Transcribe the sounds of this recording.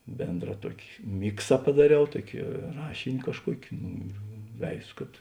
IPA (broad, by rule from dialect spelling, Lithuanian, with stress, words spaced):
ˈbʲeːndrɐ ˈtuɔkʲɪ ˈmʲɪksɐ pɐdɐˈrʲɛʊ ˈtuɔkʲɪ ˈrɑːʃʲɪnʲɪ kɐʃˈkuɔkʲɪ ˈnʊ ɪr ˈʋʲɛɪzoː kɐt